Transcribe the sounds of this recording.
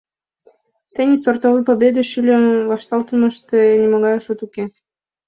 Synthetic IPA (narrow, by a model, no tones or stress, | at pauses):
t̪enʲisort̪oβɨpobʲed̪eʃylʲəmvɑʃt̪ɑlt̪əmə̆ʃt̪enʲimoɣɑjʃut̪uke